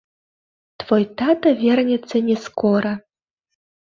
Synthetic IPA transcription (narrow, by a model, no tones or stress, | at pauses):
t̪vojt̪at̪ɐvʲernʲɛt͡sɐnʲeskoɾɐ